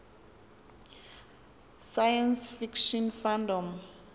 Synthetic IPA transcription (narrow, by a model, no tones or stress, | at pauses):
sajãnsfikʃɔnfãndɔm